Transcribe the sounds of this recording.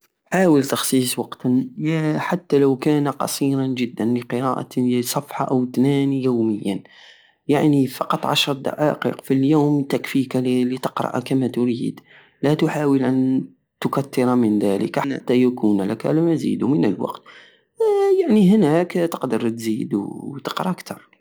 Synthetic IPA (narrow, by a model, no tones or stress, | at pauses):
ħaːwəlt̪ɑxsˤiːswɑqt̪ | ħat̪ːælawkæːnaqɑ̰sˤiːɾɑnʒəd̪ːænləqəɾɑ̰ːʔa̰sˤɑfħɑʔæwt̪næːnijuːməjːa̰n | jaʕnifɑqɑt̪ˤʕɑʃəɾˤd̪ɑ̰ʕɑ̰ːqḭːqfiljuːmt̪ækfikalit̪ə̥qɾˤɑ̰ʔkæmæt̪ʊɾiːd̪ | læt̪ʊħaːwəlʔæn | t̪ʊkæt̪ːɪɾamənðælə̰kn̰t̪ːæjækunlækæ̰lmæzḭːd̪umənəlwɑ̰qt̪ | jaʕnihnækt̪ə̥qd̪əɾˤt̪ziːd̪t̪ə̥qɾˤɑkt̪ʰɑɾˤ